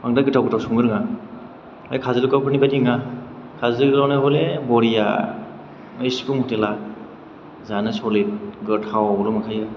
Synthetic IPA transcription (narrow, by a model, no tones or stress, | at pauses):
aŋdaɡɯtʰawɡɯtʰawsuŋɯɾɯŋa | a̰jkʰazɯlɯkawpʰɯɾnibadiŋa | kʰazɯɯɡlawnajɦɔlebɔɾija̰ | ɯjskumhɔtela | zanɯsɔlet̚ɡɯtʰawalɔmakʰaja